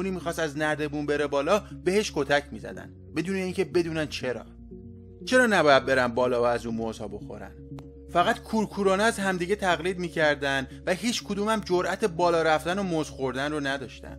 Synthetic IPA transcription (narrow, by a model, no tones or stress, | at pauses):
uniːmiːxɒːst̪æznæd̪e̞buːnbe̞ɾebɒːlɒːbe̞he̞ʃkʰo̞t̪ʰæcʰmiːzæ̰d̪æ̰nbe̞d̪uːne̞iːŋcʰe̞be̞d̪uːnæn̥t͡ʃʰe̞ɾɒ̰ː | t͡ʃʰe̞ɾɒːnæbɒːjæd̪̚be̞ɾænbɒːlɒːvææzuːnmoz̥hɒːbo̞xo̞̰ɾæ̰n | fæɣæt̪kʰuːɾkʰuːɾɒːnɛæzɦæmd̪iːɡɟe̞t̪ʰæɣliːd̪miːcʰæɾd̪ænvæɦiːt͡ʃʰkʰod̪uːmæmd͡ʒoɾʔæt̪ʰe̞bɒːlɒːɾæft̪ænomozxoɾd̪ænronæd̪ɒːʃt̪æ̰n̥